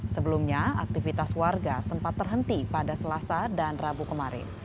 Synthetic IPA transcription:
səbəlumɲaa̰k̚t̪ifit̪aswarɡasəmpat̪ːərɦənt̪ipadasəlasadanrabukəmaɾɪ̰n

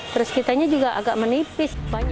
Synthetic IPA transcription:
t̪əɾəskit̪aɲad͡ʒuɡaʔa̰ɡaʔmənipɪsbaɲ

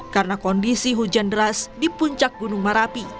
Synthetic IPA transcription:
karənakɔndisiɦud͡ʒandɾasdipuɲt͡ʃak̚ɡunuŋmaɾapi

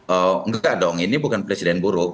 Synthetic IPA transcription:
ɔŋɡadɔŋinibukanpɾesidɛnbuɾu

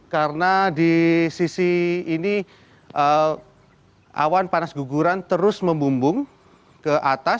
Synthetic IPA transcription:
kaɾənadisisiːni | ʔə | ʔa̰wanpanasɡuɡuɾant̪əɾʊsməmbumbʊŋ | kəʔat̪a

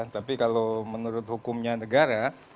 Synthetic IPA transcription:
at̪apikalomənuɾʊt̪̚hukʊmɲanəɡaɾa

